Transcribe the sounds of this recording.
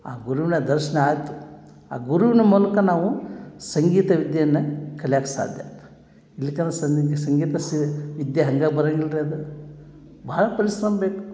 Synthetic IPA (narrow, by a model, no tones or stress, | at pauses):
a̰ːɡuɾuʋinɐd̪ɐɾʃɐnɐaːjt̪u̥ | a̰ːɡuɾuʋinɐmuːlɐkɐnaːʋusɐŋɡiːt̪ɐʋid̪jɐjɐnːɐkɐljaːkɐsa̰ːd̪ʱja̰ːt̪ɐ̥ | ilːikɐnɐsɐsɐŋɡiːt̪ɐsʋid̪jɐɦɐŋɡaːbɐɾɐŋɡiɭɾeɐd̪u | bɐɦɐɭɐpɐɾisɾɐmɐbeːku̥